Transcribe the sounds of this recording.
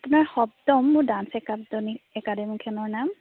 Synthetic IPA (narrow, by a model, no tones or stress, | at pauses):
apʊnaɹxɔb̚dɔmːʊɹdansɛkabdɔniɛkademikʰɛnɔɹnam